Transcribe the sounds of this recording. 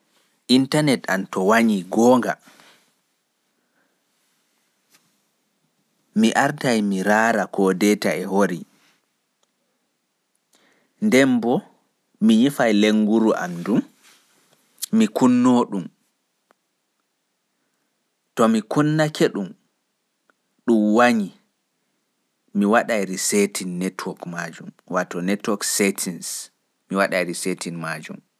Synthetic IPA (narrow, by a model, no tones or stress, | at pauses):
ʔintanɛta̰ntɔwaɲiɡɔːŋɡa | miʔaɾtajmiɾaːɾakʰɔdɛtaɛhoɾi | ndɛmbɔ | miɲifajleŋɡuɾuʔa̰mdum | ikunːoːɗum | tɔmikʰunːakʰeɗum | ɗumwaɲi | miwaɗajɾisetʰinːɛtʰwɔkmad͡ʒum | watɔnɛtɔksɛtʰins | miwaɗajɾisetʰinmad͡ʒṵm